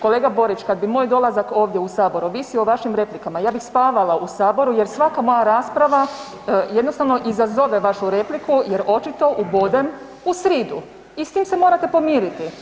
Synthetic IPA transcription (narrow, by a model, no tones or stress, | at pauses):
ko̞le̞ːɡabo̞ɾit͡ʃkad̪̚bimo̞ːjd̪o̞lˠazako̞ːʋd̪jeusaːbo̞ɾuʋisio̞ʋaʃimɾe̞plikamajaːbixspaːʋalausaːbo̞ɾuje̞ɾsʋakamo̞jaɾaːspɾaʋa | jed̪no̞st̪aʋno̞ʔizazo̞ʋe̞ʋaʃuɾe̞plikuje̞ɾʔo̞t͡ʃit̪o̞ʔubo̞d̪em | usɾiːd̪ṵ | ist̪iːmsemoːɾat̪e̞po̞miːɾit̪i